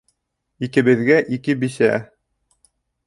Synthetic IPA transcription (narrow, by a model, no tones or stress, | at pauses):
ikɘ̆βɘ̆ðɡæʔikɘbiʃæ